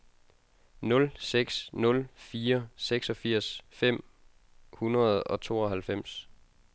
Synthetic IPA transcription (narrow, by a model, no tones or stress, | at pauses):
nɔ̽lseɡ̥snɔ̽lfiːɐseɡ̥sɒ̽fiɐ̰sfem̰ | hunɐð̞̩ˠɒ̽t͡sʰo̝ːɒ̽ɦælfem̰s